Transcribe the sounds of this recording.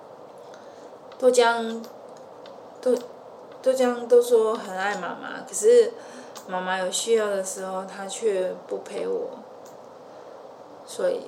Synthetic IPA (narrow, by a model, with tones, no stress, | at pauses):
t̪o˥ʊt͡ɕjɑ˦ŋ | t̪o˥ | t̪o˥˧ʊt͡ɕjɑ˦ŋt̪o˥ʊʂwɔ˥xə˨˩na˥˩ɪma̰˨˥˩ma̰˧kʰə˨˩ʂɻ̩˥˩ | ma˧˥ma˧jo˨˩ʊɕy˥jɑ˥˩ʊd̪ə˩ʂɻ̩˧˥xo˥˧ʊt̪ʰa˥t͡ɕʰɛ˥˧pu˥˩pʰe˧˥ɪwɔ̰˨˩˦ | swɔ˧˥ḭ˨˩